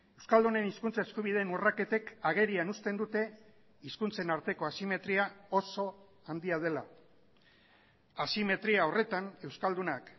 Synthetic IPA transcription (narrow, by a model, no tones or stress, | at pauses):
e̞wskald̪une̞niskunt͡sae̞skuβ̞ið̞e̞ːnurake̞t̪e̞kaɣ̞e̞ɾianust̪e̞nd̪ut̪e̞ | iskunt͡se̞naɾt̪e̞ko̞asime̞t̪ɾiao̞so̞ | and̪iaðe̞la | asime̞t̪ɾiao̞re̞t̪ane̞wskald̪unak